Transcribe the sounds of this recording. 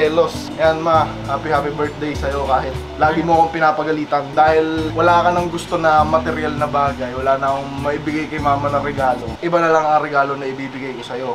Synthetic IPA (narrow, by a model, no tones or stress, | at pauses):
ɛlosʔɐjanmɐhaːpɪhaːpɪbɛɹt̪̚d̪ejsɐjo̞kaːɦɪt̪̚laːɡɪmoɐko̞ŋpɪnaːpɐɡɐliːt̪ɐnd̪aːhɪlwɐlaːʔkɐnɐŋɡʊst̪o̞nɐmɐt̪ɛɾjalnɐbaːɡɐjwɐlaːnɐkoŋmɐʔibɪɡajkɐjmaːmɐnɐɾɛɡaːlo̞ʔɪbanɐlɐŋɐŋɾɛɡaːlo̞nɐʔɪbiːbɪɡajko̞sɐjo̞